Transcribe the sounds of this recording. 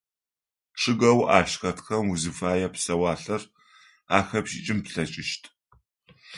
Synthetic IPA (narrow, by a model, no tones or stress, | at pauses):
ʈ͡ʂʰʼɨɡɐwa̰ːʃxɐtxɐmuzɨfaːjɛpsɐwaːɬɐr | aːxɐpʃḭt͡ʃʼɪmpɬɐt͡ʃʼɪʃtʰ